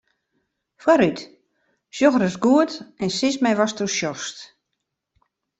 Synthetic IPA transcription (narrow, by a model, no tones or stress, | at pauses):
fwaɾyt | ʃjɔxərəsɡuətɛnsɪsmɛjʋɔstuʃjɔst